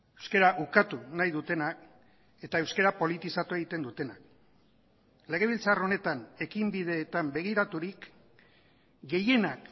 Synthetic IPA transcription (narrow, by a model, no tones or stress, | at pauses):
ewskeɾaʔukat̪unajðut̪e̞nak | e̞t̪ae̞wskeɾapo̞lit̪isat̪ue̞ɣ̞it̪e̞nd̪ut̪e̞nak | le̞ɣ̞e̞β̞ilt͡saro̞ne̞t̪ane̞kimbið̞e̞ːt̪ambe̞ɣ̞iɾat̪uɾik | ɡe̞je̞nak